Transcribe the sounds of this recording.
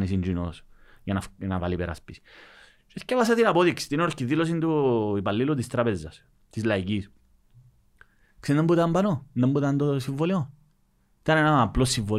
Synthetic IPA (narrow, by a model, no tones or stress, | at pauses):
nisind͡ʒinosjɐnɐnɐva̰lipeɾa̰spisi̥ | t͡ʃescevɐsɐt̪inɐpoðiksi̥t̪inoɾcːiðilos̬ind̪uipalːilut̪ist̪ɾapezːɐs | t̪izlɐicis | ksinembut̪ambɐnonðembut̪ɐnd̪osiɱvolio | it̪ɐnenɐɐplosːiɱvo